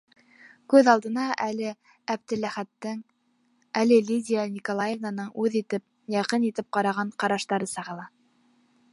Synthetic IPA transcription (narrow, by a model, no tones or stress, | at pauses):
kʉðɑlˠd̪ɤ̆nɑʔælɘ | æb̚d̪ɘlæχæt̪ːɘŋ | ælɘlʲid̪ʲijanʲikolˠajevnanɤɴʉðit̪ɘp̚ | jɑqɤnit̪ɘp̚qɑɾɑʁɑɴqɑɾɑʃt̪ɑɾɤsɑʁɤ̆lˠɑ